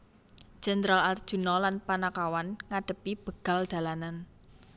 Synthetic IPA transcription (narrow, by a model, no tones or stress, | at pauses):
d͡ʒ̥ɛnd̪ɾalard̥ʒ̥ṳnɔlanpanakawanŋaɖ̥ə̤pib̥ə̤ɡ̥a̤ld̪̥a̤lanan